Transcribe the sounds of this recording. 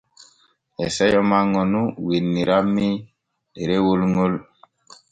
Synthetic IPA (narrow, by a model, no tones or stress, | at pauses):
ɛsɛjɔmaŋɔnuwinːiɾami | ɗeɾewolŋol